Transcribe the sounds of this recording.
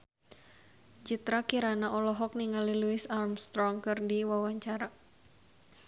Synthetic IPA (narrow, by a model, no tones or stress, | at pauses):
d͡ʒit̪ɾakiɾanaʔɔlɔɦɔk̚niŋaliluɪsarmst̪ɾɔŋkɨrdiwawaɲt͡ʃaɾa